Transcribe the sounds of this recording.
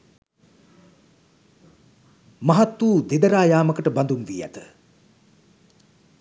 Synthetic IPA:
mɐɦat̪ːwuːd̪ed̪əɾaːjaːməkəʈəband̪unʋiːæ̰t̪ə̥

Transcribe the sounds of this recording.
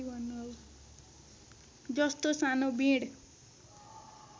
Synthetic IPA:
ibʱʌnːuɔl | d͡ʒʌst̪osanobĩɽ

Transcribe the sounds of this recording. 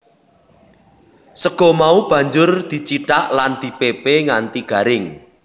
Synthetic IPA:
səɡ̥ɔ̤maub̥ä̤ɲd͡ʒʊrd̪̥i̤t͡ʃiʈaʔland̪̥i̤pepeŋant̪iɡ̥ä̤ɾɪŋ

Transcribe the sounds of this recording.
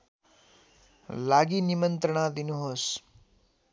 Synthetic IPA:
laɡinimənt̪ɾəɳ̃ad̪inuɦos

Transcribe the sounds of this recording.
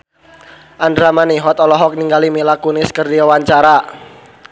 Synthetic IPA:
ʔandɾamaniɦɔt̪ɔlɔɦɔk̚niŋɡalimilakunɪskərdiwawaɲt͡ʃaɾa

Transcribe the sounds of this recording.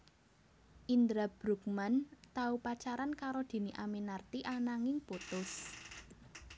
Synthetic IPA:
ʔind̪ɾab̥ɾuk̚mant̪aupat͡ʃaɾankaɾod̪̥e̤niʔamenart̪iʔanaŋɪŋput̪ʊs

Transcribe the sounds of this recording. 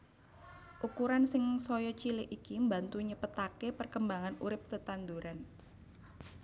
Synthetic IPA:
ʔukuɾansɪŋsɔjɔt͡ʃilɪʔikimbant̪uɲəpət̪akepərkəmbaŋanuɾɪp̚t̪ət̪and̪uɾan

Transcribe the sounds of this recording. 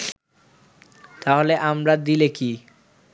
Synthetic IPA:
t̪aɦoleʔamɾad̪ileki

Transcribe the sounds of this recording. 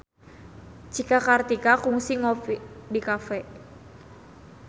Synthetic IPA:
d͡ʒikakart̪ikakuŋsiŋɔfidikafɛʔ

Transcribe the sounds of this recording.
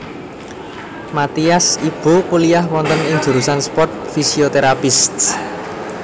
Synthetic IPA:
mat̪iasib̥o̤pulijaɦwɔnt̪ənɪŋd͡ʒ̥ṳɾusanspɔrt̪̚fisiot̪eɾapɪst̪̚

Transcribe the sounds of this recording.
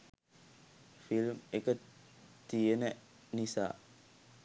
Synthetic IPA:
filmekə | t̪iəne | nisa̰

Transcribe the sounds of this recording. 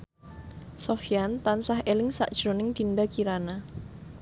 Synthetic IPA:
sofijant̪ansaɦʔelɪŋsa̰ʔd̥ʒ̥ɾonɪŋd̪̥indakiɾana

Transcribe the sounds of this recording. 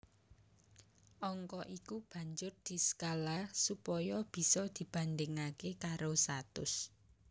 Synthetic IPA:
ʔɔŋkɔʔikub̥a̤ɲd͡ʒʊrd̪̥i̤sə̥kalasupɔjɔb̥i̤sɔd̪̥i̤b̥a̤nd̪ɪŋakekaɾost̪at̪ʊ̰s

